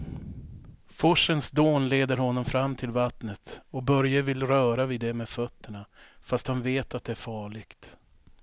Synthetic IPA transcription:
fɔʂːənsd̪oːnleːd̪əɾhɔnːɔmfɾamːt̪ʰɪlvat̪nət̪ɔk̚bœɾjavɪlɾœːɾavɪd̪ːɛmɛfœt̪ʰːəɳafast̪hanveːt̪at̪̚d̪ɛæɾfɑːɭɪɡt̪

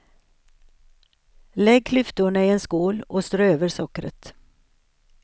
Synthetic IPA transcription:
lɛɡ̚kʰlʏft̪ʊɳəɪenskuːlɔst̪ɾøːøːvəɾʂɔkɾə̰t̪

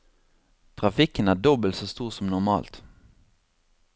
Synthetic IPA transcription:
t̪ʰʁɑfɪkənæːd̪ɔbəlt̪soːst̪uːʁsɔmnʊʁmɑ̰ːlt̪

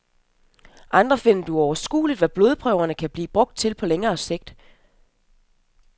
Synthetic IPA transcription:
ʔɑ̈nd̥ʁɐfe̝n̰ɐd̥uɒʊɐsɡ̥ṵːlid̥ʋæb̥lo̝ːð̞ˠpʰʁœʊ̰ɐnəkʰæb̥lḭːb̥ʁɔ̽ɡ̥̚d̥̚t͡sʰe̝lpʰɒ̽leŋɐːse̝ɡ̥̚d̥

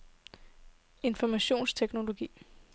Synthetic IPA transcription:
e̝nfɒmæɕo̝̰ːnst͡sʰeɡ̥no̝lo̝ɡ̥ḭː

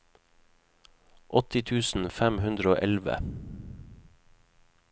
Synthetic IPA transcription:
ʔɔt̪ɪt̪ʰʉːsn̩fæmhʉnd̪ɾəoːʔɛlʋə̰

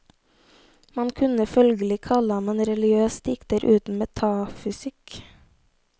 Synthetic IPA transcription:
mɑnkʰʉnəfœlɡəlɪkʰɑlɑmɛnɾɛlɪøːst̪ɪkt̪əɾʔʉːt̪n̩mɛt̪ʰɑːfʏsɪk

